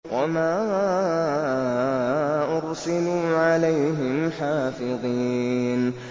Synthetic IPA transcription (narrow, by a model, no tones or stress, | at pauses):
wʔamaː | ʔʊɾsɪluːʕalajɦɪmħaːfɪðˤiːn